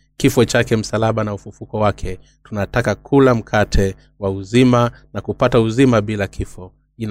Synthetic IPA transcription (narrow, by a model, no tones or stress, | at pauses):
kifɔt͡ʃakɛm̩salaɓanaufufukɔwakʰɛ | tunatakakʰulam̩kʰatʰɛ | wauzima | nakupatauzimaɓilakʰifɔ | in